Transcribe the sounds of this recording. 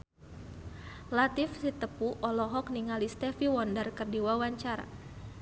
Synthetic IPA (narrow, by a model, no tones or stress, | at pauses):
lat̪ifsit̪əpuʔɔlɔɦɔk̚niŋalist̪ɛfiwɔndərkərdiwawaɲt͡ʃaɾa̰